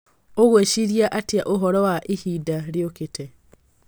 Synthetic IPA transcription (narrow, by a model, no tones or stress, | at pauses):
oɣweʃiɾjaʔatjaʔoɦɔɾɔwaʔehidaɾjoketʰɛ